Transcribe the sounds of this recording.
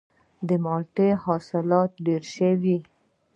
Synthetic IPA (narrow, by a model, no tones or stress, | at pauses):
d̪əmɑlʈehɑsɪlɑt̪̚ɖeɾʃəwi